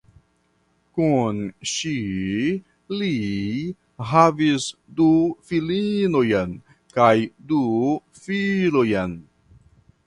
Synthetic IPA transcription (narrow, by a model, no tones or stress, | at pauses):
kunʃi | li | ɦavisdufilino̞jan | kajdu | filojan